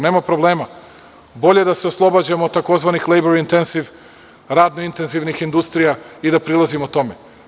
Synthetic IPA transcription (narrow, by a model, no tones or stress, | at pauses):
ne̞ːmapɾo̞blˠe̞ːma | bo̞ʎe̞d̪aseoslˠo̞bad͡ʑemot̪ako̞zʋanixlejboɾint̪enz̥iʋ | ɾaːd̪noint̪e̞nziʋnixind̪ust̪ɾijaid̪apɾilazimot̪o̞me